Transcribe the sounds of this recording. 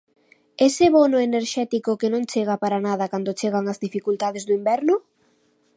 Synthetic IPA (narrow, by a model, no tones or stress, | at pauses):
esɪβonoeneɾʃɛt̪ikokenõŋt͡ʃeɣ̞apaɾanað̞ɐkand̪ot͡ʃeɣ̞aŋazðifikult̪aðɪzd̪ʊimbɛɾnʊ